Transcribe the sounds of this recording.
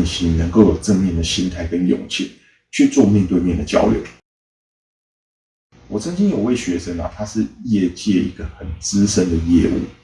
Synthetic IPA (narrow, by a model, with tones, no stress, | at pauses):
nɕi˧˥nə˧˥ŋko˥˩ʊjo˨˩ʊʈ͡ʂɤ˥˧ŋmjɛ˥˩nd̪ə˩ɕi˥nt̪ʰa˥˩ɪkə˦njʊ̰˨˩ŋt͡ɕʰḭ˥˩ŋ | t͡ɕʰy˥˧t͡swɔ˥˧mjɛ˥˧nt̪we˥˧ɪmjɛ˥˩nd̪ə˩t͡ɕjɑ̰˥ʊljo̰˧˥˦ʊ | wɔ˨˩t͡sʰə˧˥ŋt͡ɕi˧˥njo˨˩ʊwe˥˩ɪɕɥɛ˧˥ʂə˥ŋɐ̰˨˩t̪ʰa˥ʂɻ̩˥˧jɛ˥˧t͡ɕjɛ˥˩i˧˥ɡ̥ə˨xə˨˩nt͡sɹ̩˥˦ʂə˥nd̪ə˨jɛ̰˥˧ṵ˥˩